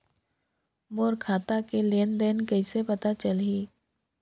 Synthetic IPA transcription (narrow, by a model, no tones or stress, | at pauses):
moːɾkʰaːt̪akeleːnd̪eːnkɐisepɐt̪at͡ʃəlɦiː